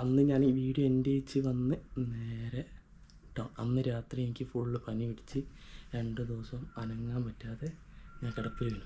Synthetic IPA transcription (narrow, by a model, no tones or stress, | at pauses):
ɐnːɨɲaːnʋiːɽuendejit͡ɕːɨʋɐnːɨneːɾe | ʈːɐɐnːɨɾaːt̪rijenikʲːɨfuɭːɨpɐniʋiɽit͡ɕːɨɾeɳɖɨd̪oːsɐmɐnɐŋːaːmpɐtːaːðe̞ɲaːnkiɽɐp̪ːilinu